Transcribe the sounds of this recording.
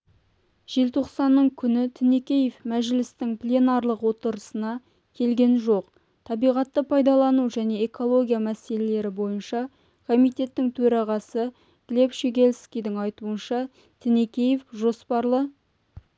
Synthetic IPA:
ʒ̥elt̪ʰo̞qsɑnːəɴkʲʰʏnɪt̪ʰɪne̞kʲe̞jefmæʒɪlɪst̪ɪŋplʲeonɑɾlˠəqwo̞t̪əɾəsənɑ | kʲʰe̞lɡʲe̞nʒo̞q | t̪ʰɑbijʁɑt̪ːəpʰɑjd̪ɑlˠɑnuʒæne̞eko̞lˠo̞ɡʲijamæse̞le̞le̞ɾɪbo̞jənʃɑ | kʰo̞mijt̪e̞t̪ːɪŋt̪ʰɵɾɑʁɑsə | ɡ̥le̞pʃeɡʲe̞lskʲijd̪ɪŋɑjt̪uənʃɑ | t̪ʰɪnekʲejefʒo̞spɑɾlˠə

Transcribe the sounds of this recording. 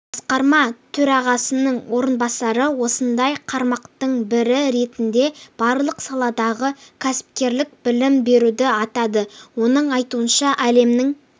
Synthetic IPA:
b̥ɑsqɑɾmɑt̪ʰɵɾɑʁɑsənəɴwo̞ɾənbɑsɑɾəwo̞sənd̪ɑjqʰɑɾmɑqt̪əɴbɪɾɪɾe̞t̪ɪnd̪e̞b̥ɑɾlˠəqsɑlˠɑd̪ɑʁəkʲʰæsɪ̥p̚kʲe̞ɾlɪk̚bɪlɪmbe̞ɾud̪ɪɑt̪ɑd̪əwo̞nəɴɑjt̪uənʃɑʔæle̞mnɪŋ

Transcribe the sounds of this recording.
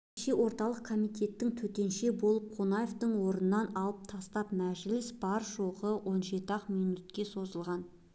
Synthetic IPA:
ʃe̞wʔo̞ɾt̪ɑlˠəq̚kʰo̞mijt̪e̞t̪ːɪŋt̪ʰɵt̪e̞nʃe̞bo̞lˠəp̚qʰonɑjeft̪əɴwo̞ɾənənɑnɑlˠəp̚t̪ʰɑst̪ɑpmæʒlɪsb̥ɑɾʒo̞ʁəwo̞nʒe̞t̪əɑqmijnut̪̚kʲe̞so̞zəlˠʁɑn

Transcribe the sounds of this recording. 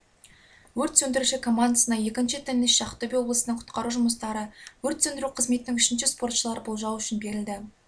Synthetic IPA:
wɵɾt̪sɵnd̪ɪɾuʃɪkʰo̞mːand̪asənɑje̞kʲɪnʃɪt̪ʰɪnːɪsʃɑqt̪obʲijwo̞blˠəsənəɴqʰʊ̥t̪qɑɾuʒʊməst̪ɑɾəwɵɾt̪sɵnd̪ɪɾuqʰəzme̞t̪ɪnɪŋʏʃɪnʃɪspo̞rt̪ʃəlˠɑɾbolˠʒɑwʏʃɪnbe̞ɾɪld̪ɪ

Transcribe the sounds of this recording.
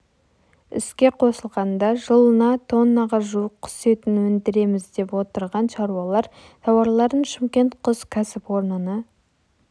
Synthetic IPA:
ʏ̰skʲe̞qʰo̞səlˠʁɑnd̪ɑʒəlˠənɑt̪ʰo̞nːɑʁɑʒuwəqqʰːʏ̥se̞t̪ɪnwɵnd̪ɪɾe̞mɪzd̪e̞pwo̞t̪əɾʁɑnʃɑɾuɑlˠɑɾ | t̪ʰɑwɑɾlˠɑɾənʃɪmkʲe̞nt̪qʰʊzkʲʰæsɪpwo̞ɾnənə

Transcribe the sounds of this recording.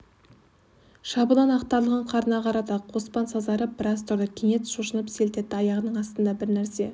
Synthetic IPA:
ʃɑbəlˠɑnɑqt̪ɑɾlˠəʁəɴqʰɑɾənɑqʰɑɾɑt̪ɑqʰo̞spɑnsɑzɑɾəbɾɑs̬t̪ʰʊɾd̪əkʲʰeŋe̞t̪ʃuʃənəpse̞lt̪e̞t̪ːɪɑjɑʁənəɴɑst̪ənd̪ɑbɪɾnæɾse̞

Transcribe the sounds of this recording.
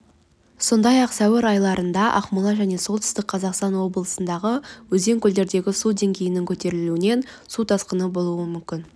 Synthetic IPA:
so̞nd̪ɑjɑqsæwɪɾɑjlˠɑɾənd̪ɑʔɑ̰qmulˠɑʒæne̞so̞lˠt̪ʰʏ̥st̪ɪk̚qʰɑzɑqst̪ɑnwo̞bəlˠəsənd̪ɑʁəwɵze̞ŋkʲʰʏld̪e̞ɾd̪e̞ɡʲɪsud̪e̞ŋɡʲe̞jɪnɪŋkʲʰɵt̪e̞ɾɪluɪne̞n | sut̪ʰɑsqənəbo̞lˠuəmʏmkʲɪn

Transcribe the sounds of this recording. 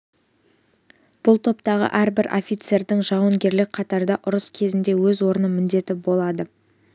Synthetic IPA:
b̥ʊlˠt̪ʰo̞pt̪ɑʁə̰ʔæɾbɪɾʔo̞̰fʲijt̪se̞ɾd̪ɪŋʒɑwəŋɡʲe̞ɾlɪk̚qʰɑt̪ɑɾd̪ɑʔʊɾəskʲʰe̞zɪnd̪e̞wɵzwo̞ɾənəmɪnd̪e̞t̪ɪbo̞lˠɑd̪ə

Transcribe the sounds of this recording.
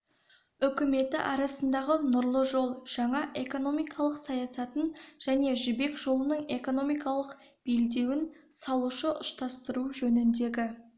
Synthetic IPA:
ɵkʲɪme̞t̪ɪʔɑɾɑsənd̪ɑʁənʊɾlˠəʒo̞lˠʒ̥ɑɴɑʔe̞ko̞no̞mijkʰɑlˠəqsɑjɑsɑt̪ənʒ̥æne̞ʒʏbe̞kʒo̞lˠənəɴe̞ko̞no̞mijkɑlˠəq | b̥eld̪e̞wɪnsɑlˠuʃəʔʊst̪ɑst̪əɾuʒɵnɪnd̪e̞ɡʲɪ

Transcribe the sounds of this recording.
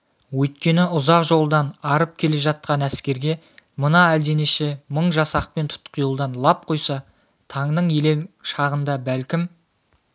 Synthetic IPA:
wɵjt̪̚kʲe̞nɪʊzɑqʒo̞lˠd̪ɑnɑɾəp̚kʲʰe̞le̞ʒɑt̪̚qɑnæskʲe̞ɾɡʲe̞ | mənɑæld̪e̞neʃe̞məɴʒɑsɑq̚pe̞nt̪ʰʊ̥t̪qʰijəlˠd̪ɑnlˠɑp̚qʰo̞jsɑ | t̪ʰɑɴd̪əɴjeleŋʃɑʁənd̪ɑbælkʲɪm

